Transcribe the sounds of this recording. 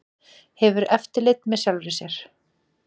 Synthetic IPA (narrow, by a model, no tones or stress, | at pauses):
hɛvʏɾɛft̪ɪlet̪mɛðsjalɾɪsjɛɾ̥